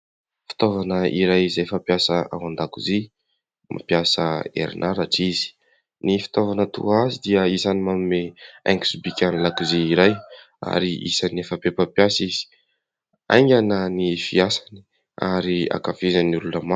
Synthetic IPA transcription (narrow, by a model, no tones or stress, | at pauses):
fi̥t̪ovanəiɾajizajfapjasəa̰wand̪akuzi | mʔa̰piasəḛɾḭnʔaɾaʈ͡ʂizi̥ | nifi̥t̪ovanət̪ṵazid̪iəisanimamimea̰ŋɡisubikʲanilakuziːɾaj | a̰ɾiʔḭsanefəpepapjasizi̥ | a̰jŋɡʲanənifiasani̥ | aɾia̰kafizaniluləma